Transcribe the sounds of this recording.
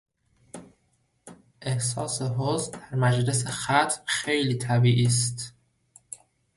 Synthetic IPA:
ʔe̞hsɒːseɦozd̪æɾmæd͡ʒle̞sexæt̪ʰmxe̞jliːt̪ʰæbiːʔiːs̬t̪

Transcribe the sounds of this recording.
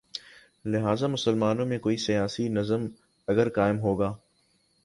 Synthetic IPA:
lɪɦaːzamʊsəlmaːnõmẽkoːisijaːsinɐzəm | ɐɡəɾkaːɪmɦoːɡaː

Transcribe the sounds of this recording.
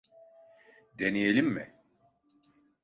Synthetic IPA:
d̪enijelʲimːɪ

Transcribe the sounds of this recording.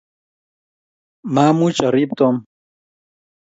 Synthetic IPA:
maːmũt͡ɕaɾip̚t̪om

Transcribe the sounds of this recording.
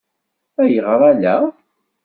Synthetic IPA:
æjəʁɾˤælæ

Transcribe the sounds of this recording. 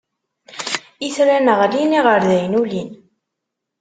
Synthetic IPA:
iθɾænəʁliniʁəɾðæjnulin

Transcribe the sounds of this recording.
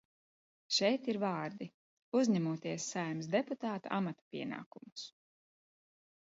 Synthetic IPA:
ʃɛjt̪iɾvɑːɾd̪i | uzʲɲɛmuɔt̪iɛsːajmsd̪eput̪aːt̪a̰ʔa̰mat̪ḁpʲiɛna̰ːkumus

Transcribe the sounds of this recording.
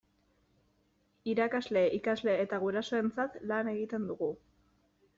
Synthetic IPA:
iɾakazle̞ʔikazle̞ːt̪aɣ̞uɾaso̞e̞nt͡sat̪lane̞ɣ̞it̪e̞nd̪uɣu

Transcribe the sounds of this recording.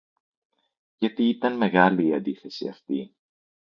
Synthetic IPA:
ʝɐt̪iit̪ɐnme̞ɣɐliːɐnd̪iθe̞sḭɐ̰ft̪ḭ

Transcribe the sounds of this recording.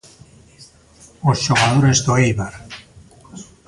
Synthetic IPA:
osʃoɣaðoɾezd̪oejβaɾ

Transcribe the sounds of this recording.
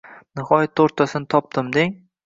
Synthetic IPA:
nɪhɒjat̪ʰːoɾt̪ʰːasɪnɪt̪ʰɒp̚d̪ɪmd̪eŋ

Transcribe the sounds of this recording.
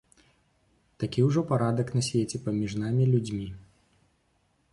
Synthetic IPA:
t̪akʲiwʐɔpaɾad̪ɐknɐsʲvʲet͡sʲɛpamʲiʐnamʲilʲud͡zʲmʲi

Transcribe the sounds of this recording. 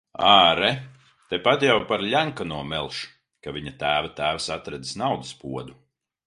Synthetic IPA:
aːɾɛ | t̪epat̪jawpaɾʎʲaŋkanuɔmɛlˠʃ | kavʲiɲat̪æːvat̪æːvsat̪ɾɛd̪i̥snawd̪ɨspuɔd̪u

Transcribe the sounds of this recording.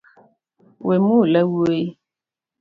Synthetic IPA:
wemulɛwue

